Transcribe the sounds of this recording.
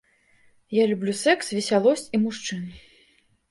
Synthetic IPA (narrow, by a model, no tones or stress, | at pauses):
jalʲublʲusɛksvʲɛsʲalˠɔsʲt͡sʲimuʂt͡ʂɨn